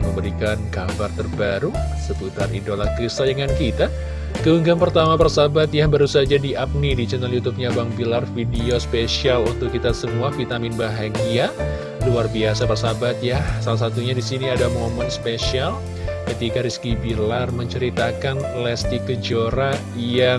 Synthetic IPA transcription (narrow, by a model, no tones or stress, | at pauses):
məmbəɾikankabart̪ərbaɾusəput̪arḭdolakɾist̪aldəŋankit̪a | kəuŋɡanpərt̪amapərsabat̪̚jahbaɾusad͡ʒadiʔap̚nidit͡ʃənaljut̪up̚ɲabaŋbilarfidiospesialunt̪ʊkːit̪asəmuafit̪amɪnbaɦaɡia | luarbiasapərsabat̪̚jasalas̬at̪uɲadisiniadamomɛnspesial | kət̪ikaɾiskibilarməɲt͡ʃəɾit̪akanlɛst̪ikəd͡ʒoɾa | ja